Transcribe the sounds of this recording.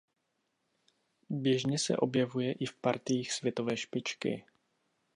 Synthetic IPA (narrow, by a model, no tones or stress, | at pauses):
bjɛʒɲɛsɛ̰ʔo̞bjɛvujɛʔɪfpaɾt̪ɪjiːxsvjɛt̪o̞vɛːʃpɪt͡ʃkɪ̰